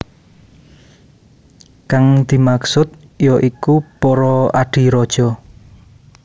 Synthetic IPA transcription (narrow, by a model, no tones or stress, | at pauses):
kaŋd̪̥i̤maksʊt̪̚jɔʔikupɔɾɔaɖ̥i̤ɾɔd̥ʒ̥ɔ